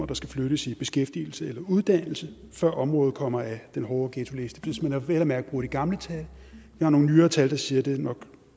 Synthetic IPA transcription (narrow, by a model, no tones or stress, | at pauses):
ɐd̥ɑ̈sɡ̥æfløɾ̥əsib̥e̝sɡ̥efd̥ḭːl̩səelɐuð̞ˠd̥æn̰l̩sə | fɶɐ̰ʔɒ̽mʁɔ̽ːð̩ˠkʰɒ̽m̰ɐæd̥enɦɒːɡ̥et͡sʰule̝sd̥ə̥fismænhɑ̈ʋel̰ɐmæɐɡ̥̚b̥ʁuːd̥iɡ̥ɑ̈mlət͡sʰæljɑhɑ̈no̝ːŋn̩yːɐːt͡sʰæld̥ɑ̈siːɐd̥e̝nɒ̽ɡ̥